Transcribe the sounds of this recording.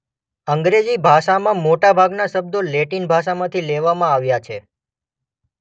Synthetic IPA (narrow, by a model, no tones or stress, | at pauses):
əŋɡɾed͡ʒibʱaʃamãmoʈabʱaɡnaʃəb̚d̪oleʈinbʱaʃamãt̪ʰileʋamãaʋjat͡ʃʰe